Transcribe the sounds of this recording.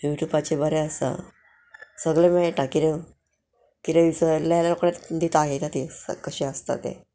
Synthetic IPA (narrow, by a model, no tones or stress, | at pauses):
juʈjuːbat͡ɕebəɾeəsa̰ | səɡɭemeɭʈakiɾe | kiɾeʋisəlːjalalokɽat̪d̪it̪aɦet̪at̪iə̰kəɕiəst̪a̰t̪ḛ̃